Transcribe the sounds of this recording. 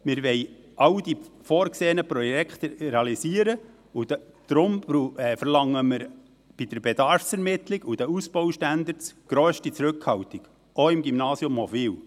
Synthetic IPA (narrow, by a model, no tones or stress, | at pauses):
mɪɾʋɛɪʔɑwd̥̪ifoːɾkseːənəpɾɔjɛkʰt̪əɾeɑlisiəɾə | u | d̪̥ɾʊmbuɛfərlɑŋːəmɪɾ | b̥id̥əɾbed̪ɑɾfsɛɾmɪt̪lɪɡud̥̪əusb̥ɔʊʃtænd̪əɾt͡sɡ̥ɾøːʃtit͡sɾɵkhɑwt̪iɡ̥ | oɪmɡimnɑːsjʊmːɔbiw